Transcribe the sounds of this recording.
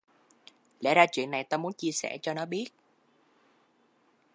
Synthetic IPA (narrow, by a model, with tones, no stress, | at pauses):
lɛ̰˧˥zaː˧t͡ɕwḭ˧˨ənːa˨˩jt̪aː˧mu˨˦ənt͡ɕi˧əsɛ̰˧˩t͡ɕɔ˧nɔ˨˦ɓi˦˥ət̚